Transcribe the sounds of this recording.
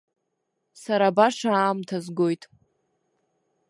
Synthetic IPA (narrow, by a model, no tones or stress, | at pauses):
saɾabaʂaaːmtʰazɡo̞jtʼ